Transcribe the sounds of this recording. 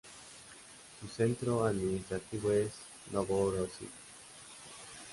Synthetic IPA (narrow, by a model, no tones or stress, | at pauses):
susent̪ɾoaðminist̪ɾat̪iβoes | noβoɾosḭ